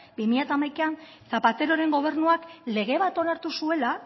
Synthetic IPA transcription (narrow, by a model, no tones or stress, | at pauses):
bimiʎat̪amajkean | sapat̪e̞ɾo̞ɾe̞ŋɡo̞β̞e̞ɾnuakle̞ɣ̞e̞β̞at̪o̞naɾt̪usue̞la